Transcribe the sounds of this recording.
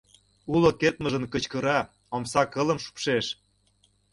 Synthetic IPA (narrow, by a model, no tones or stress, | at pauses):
ulŏket̪mə̆ʒə̆nkə̆t͡ɕkə̆ɾɑ | omsɑkələ̆mʃu̥pʃeʃ